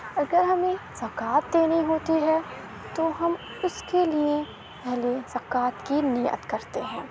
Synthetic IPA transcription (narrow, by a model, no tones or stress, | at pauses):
ɐɡəɾɦɐmẽzɐkaːt̪̚d̪eːniɦoːt̪iɦɛ | t̪oɦɐm | ʊskelie | pɛɦlezɐkaːt̪kiniːjə̰t̪kɐɾt̪eɦɛ̃ː